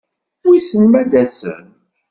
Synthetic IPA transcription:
wisənmæd̪æsə̰n

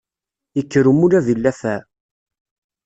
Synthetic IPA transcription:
jəkːəɾumuɾæðilːæθæ

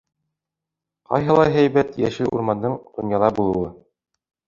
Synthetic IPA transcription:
qɑ̰jɦɤ̆lˠɑjɦæjbæt̪jæ̰ʃɘʔṵɾmɑnd̪ɤɴd̪̥ŏnjɑlˠɑbulˠɤ̆wɤ

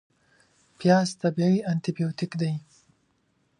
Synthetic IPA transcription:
pjɑst̪abawiant̪ibijot̪ɪkd̪aj

